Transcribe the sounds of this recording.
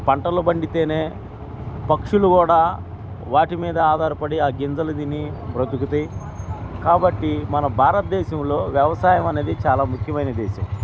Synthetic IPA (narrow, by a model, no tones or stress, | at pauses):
pɐɳʈɐlubɐɳɖit̪e̞ːneː | pɐkʂulukuːɽaː | ʋaːʈimiːd̪ɐaːd̪ʱaːɾɐpɐɽiaːɡind͡zɐlɐd̪inːipɾɐt̪ukut̪ɐj | kaːbɐʈːimɐnɐbʱaːɾɐt̪̚d̪ɛːʃɐmlo̞ːʋjɐʋɐsaːjɐmɐneːd̪it͡ʃaːlaːmukʰjɐmɐjnɐd̪eːʃɐ̰m